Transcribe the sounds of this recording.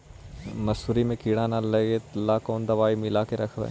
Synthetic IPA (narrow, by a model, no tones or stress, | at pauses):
mɐsuɾimẽkiːɽãːnaləɡet̪laːkoːnd̪ɐʋaːimiɪlaːkeɾɐkʰʋḛ